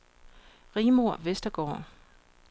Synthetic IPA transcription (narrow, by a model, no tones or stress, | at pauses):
ʁiːmo̝ɐ̰ʋesd̥ɐɡ̥ɒ̰ː